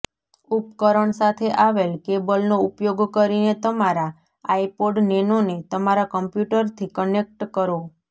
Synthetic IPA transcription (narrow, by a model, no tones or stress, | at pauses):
upkəɾəɳsat̪ʰeʔaʋelkebəlnoupjoɡkəɾinet̪əmaɾa | aipoɖnenonet̪əmaɾakəmpjuʈəɾt̪ʰikənek̚ʈkəɾo